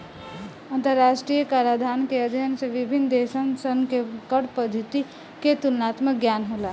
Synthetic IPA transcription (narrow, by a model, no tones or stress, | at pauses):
ənt̪əɾːasʈɾijəkaɾad̪ʱankeəd̪ʱjənsẽʋibʱind̪esənsənkekəɽpəd̪ʱit̪i | ket̪ulənat̪mək̚ɡjanɦola